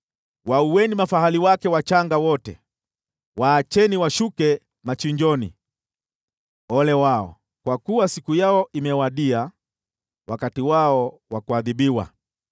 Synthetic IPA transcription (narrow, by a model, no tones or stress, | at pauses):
wauwɛnimafahaliwakɛwat͡ʃaŋɡawɔtɛ̰ | waːt͡ʃɛniwaʃukɛ | mat͡ʃiɲd͡ʒɔnḭ | ɔlɛwaɔ̰ | kwakuwasikujaɔʔimɛwaɗia | wakatiwaɔ | wakuaðiɓiwa̰